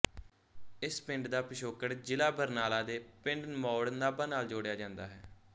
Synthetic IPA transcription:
ɪspɪ̃ɳɖd̪aːpɪʃoːkəɽd͡ʒɪlaːbəɾnaːlaːd̪eːpɪ̃ɳɖmɔːɽənaːbaːnaːld͡ʒoːɽjaːd͡ʒãːnd̪aːɦɛː

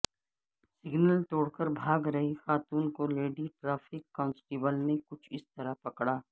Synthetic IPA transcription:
sɪɡnəlt̪oːɽkəɾbʱaːɡɾɐɦixaːt̪uːnkoleːɖiʈɾaːfɪkːaːnsʈeːbəlnekʊt͡ʃʰɪst̪ɐɾapɐkɽaː

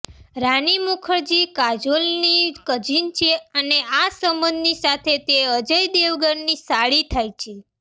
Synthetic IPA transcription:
ɾanimukʰəɾd͡ʒikad͡ʒolnikəd͡ʒint͡ʃʰeəneasəmbə̃nd̪nisat̪ʰet̪eəd͡ʒəjd̪eʋɡəɾnisaɭit̪ʰajt͡ʃʰe

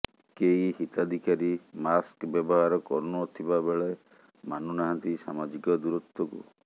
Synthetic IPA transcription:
keihit̪ad̪ʱikaɾimaskbjɔbɔɦaɾɔkɔɾnɔt̪ʰibabeɭɔj | manunaɦant̪isamad͡ʒikɔd̪uɾut̪wɔkṵ

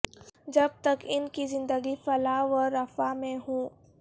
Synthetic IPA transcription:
d͡ʒɐb̚t̪ɐkɪnkizɪ̃nd̪əɡifɐlaʋɔːɐfamẽɦũː

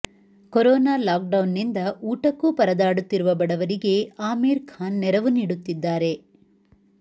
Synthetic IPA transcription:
koɾɔːnaːlaːk̚ɖɐwnːind̪ɐʔuːʈɐkːupɐɾɐd̪aːɽut̪ːiɾuʋɐbɐɽɐʋɐɾiɡe̞aːmeːɾkʰaːnːɛɾɐʋuniːɽut̪ːid̪ːaːɾe̞

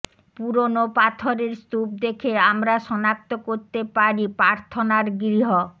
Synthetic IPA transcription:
puɾonopat̪ʰoɾeɾst̪up̚d̪ekʰeamɾaʃɔnak̚t̪okoɾt̪epaɾipɾaɾt̪ʰonaɾɡɾiɦo

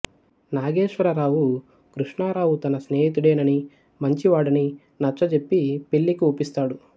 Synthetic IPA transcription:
naːɡeːʂʋɐɾɐɾaːwu | kɾuʂɳaːɾaːwut̪ɐnɐsne̞ːɦit̪uɽeːnɐni | mɐɲt͡ʃiʋaːɽɐni | nɐt͡ʃːɐt͡ʃe̞pːipe̞ɭːikiupist̪aːɽu

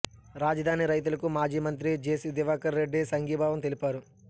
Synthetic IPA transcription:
ɾaːd͡ʒɐd̪ʱaːniɾɐjt̪̬ulɐkumaːd͡ʒiːmɐnt̪̬ɾid͡ʒeːsid̪iʋaːkɐɾːe̞ɖːisɐŋɡiːbʱaːʋɐmt̪elipaːɾu

